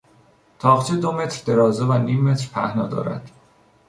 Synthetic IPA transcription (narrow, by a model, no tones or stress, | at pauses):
t̪ʰɒːχt͡ʃʰed̪ome̞t̪ʰɾd̪e̞ɾɒːzevæniːmːet̪ɾpʰæhnɒːd̪ɒ̰ːɾæ̰d̪̥